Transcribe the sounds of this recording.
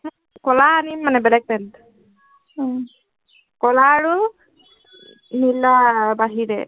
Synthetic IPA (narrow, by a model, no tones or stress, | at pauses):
kɔlaːnimːanɛbɛlɛk̚pɛnd | kɔlaːɹu | nilːabaɦiɹɛ